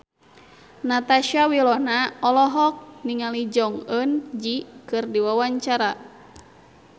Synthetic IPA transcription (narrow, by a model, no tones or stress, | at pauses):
nat̪aʃawilɔnaɔlɔɦɔk̚niŋalid͡ʒɔŋənd͡ʒikɨrdiwawaɲt͡ʃaɾa